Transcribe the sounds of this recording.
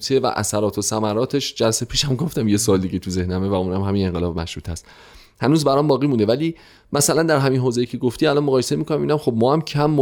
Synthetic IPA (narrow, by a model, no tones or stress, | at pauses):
t̪ʰevæ̰ʔæ̰sæɾɒːt̪ʰosæmæɾɒːt̪ʰe̞ʃd͡ʒælse̞pʰiːʃæmɡo̞ft̪æmje̞sɒːld̪iːɟet̪ʰuze̞hnæmevæũːnæmɦæmine̞ŋɢelɒːbmæʃɾuːt̪ʰæst̪ | hænuːzbæɾɒːmbɒːɣiːmund̪evæliː | mæsælænd̪æɾɦæminɦoːzejicʰe̞ɡoft̪iːælɒnmoɣɒːjesemiːkʰo̞næmiːnæmxob̚mɒːhæmcʰæmːo